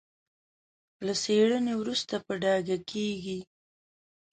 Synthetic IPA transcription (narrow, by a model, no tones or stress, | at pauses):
laseɽənewɾust̪apəɖɑɡakʰeɡi